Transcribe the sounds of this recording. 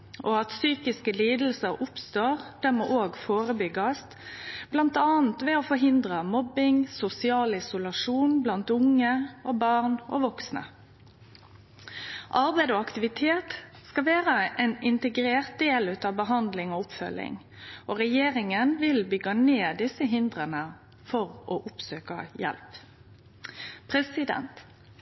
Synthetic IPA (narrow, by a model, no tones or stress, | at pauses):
ʔoɑt̪syːkɪskəliːd̪l̩səɾʊpst̪oːʁd̪̥æmoːʔoːɡfoːɾəbʏɡɑst̪b̥lɑnt̪ɑːnt̪ʋɛofɔɦɪnd̪ʁəmɔbɪŋsʊsɪɑːlɪsʊlɑʂuːnblɑnt̪ʊŋəobɑʁnʔo̰ʋɔksnə̰ | ʔɑɾbæɪd̪oːɑkt̪ɪʋɪt̪ʰeːt̪ | skɑʋæːʁəʔɛnɪnt̪əɡɾeːʁt̪̚d̪eːlʉːt̪ɑːbəɦɑnd̪lɪŋoːʊpfœ̰lːɪ̰ŋ | ʔoʁɛjeːʁɪŋənʋɪlbʏɡːɑneːd̪ɪsəɦɪnd̪ʁənə | fɔʁʔoʔʊpsøːkəjɛ̰lp | pʰʁɛsɪd̪ɛ̰nt̪